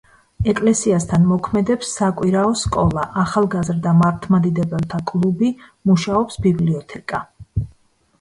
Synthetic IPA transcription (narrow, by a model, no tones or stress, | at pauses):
ɛkʼlɛsiast̪ʰanmɔkʰmɛd̪ɛpsːakʼwiɾaɔskʼɔlˠaʔaχalˠɡazɾd̪amaɾt̪ʰmad̪id̪ɛbɛlˠt̪ʰakʼlˠubimuʃaɔpsbibliɔt̪ʰɛkʼa